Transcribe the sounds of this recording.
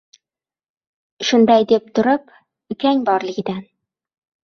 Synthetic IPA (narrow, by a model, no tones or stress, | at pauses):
ʃʊnd̪ɑjd̪ep̚t̪ʰʊ̆ɾɤp | ɵkʲæŋʲbɒɾlˠɪ̆ɡʲɪd̪æn